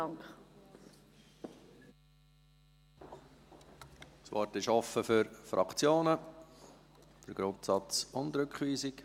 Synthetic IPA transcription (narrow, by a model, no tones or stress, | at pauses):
ɑŋk | svɔ̰ɾtɪʃɔfəfʏɾfɾʔɑ̰kt͡sjoːnə | d̥əɾɡ̥ɾʊntsɑt͡sʊndɾʏkχʋiːzɪk